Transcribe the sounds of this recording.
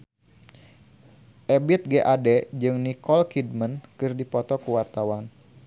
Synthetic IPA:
ʔɛbit̪̚ɡɛʔadɛd͡ʒɨŋnikɔlkid̚mənkɨrdipɔt̪ɔkuwart̪awan

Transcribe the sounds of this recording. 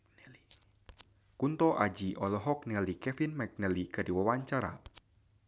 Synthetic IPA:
kunt̪ɔʔad͡ʒiʔɔlɔɦɔk̚nɛlikɛfinmak̚nɛlikɨrdiwawaɲt͡ʃaɾa̰

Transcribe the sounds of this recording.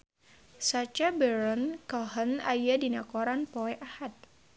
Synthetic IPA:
sat͡ʃabɛɾɔnkɔɦənajadinakɔɾanpɔɛʔahat̪̚

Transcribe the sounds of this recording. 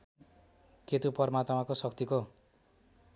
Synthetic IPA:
ket̪upʌrmat̪makosʌk̚t̪iko

